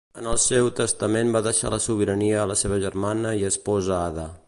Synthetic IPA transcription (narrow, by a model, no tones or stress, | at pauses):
ənəlˠsewt̪əst̪əmembaðəʃa̰ləsuβ̞iɾəniəːləseβ̞əʒərmanəiəspɔzəaða